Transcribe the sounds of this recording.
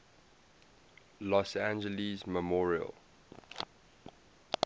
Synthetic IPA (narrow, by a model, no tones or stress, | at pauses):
lɔsãnd͡ʒəlizməmɔɹiə̰l